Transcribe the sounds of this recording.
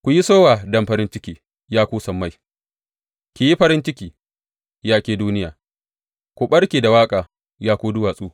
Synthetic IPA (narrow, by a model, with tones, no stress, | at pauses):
kʷʊ˨ji˦soː˦waː˨dɐ˦˨mɸɐ˨ɾɪ˦nt͡ʃɪ˦kʲiː˨ | jaː˦kʷuː˦sɐ˨mːa˦˨j | kʲi˨ji˦ɸɐ˦ɾɪ˦nt͡ʃɪ˦kʲiː˨ | jaː˦kʲeː˦duː˦nɪ˦jaː˨ | kʷu˨ɓɐ˦ɽkʲeː˨da˨waː˦kʼaː˨ | jaː˦kʷuː˦dʊ˦waː˨sʼuː˦